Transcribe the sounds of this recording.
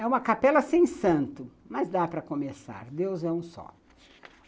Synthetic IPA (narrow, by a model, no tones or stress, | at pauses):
ɛũmɐkapɛlɐsẽj̃sɐ̃nt̪ʊ | mɐzd̪apɾɐkomesa̰ɾd̪ewzɛũsɔ̰